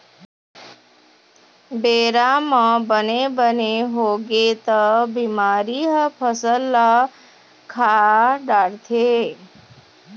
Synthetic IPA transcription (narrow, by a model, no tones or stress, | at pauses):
beɾamãbənebəneɦoɡet̪əbimaːɾiɦəpʰəsəlːa | kʰaɖaɽt̪ʰe